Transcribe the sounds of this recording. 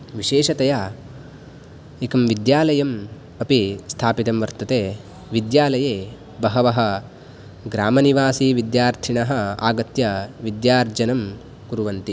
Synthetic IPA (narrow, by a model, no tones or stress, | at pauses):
ʋiʃeːʃɐt̪ɐjaː | ekɐmʋid̪jaːlɐjɐm | ɐpist̪ʰaːpit̪ɐmʋɐɾt̪ɐt̪eː | ʋid̪jaːlɐjeː | bɐɦɐʋɐɦɐ̆ | ɡɾaːmɐniʋaːsiːʋid̪jaːɾt̪ʰiɳɐɦɐ̆a̰ːɡɐt̪jɐʋid̪jaːɾd͡ʒɐnɐm | kuɾuʋɐnt̪i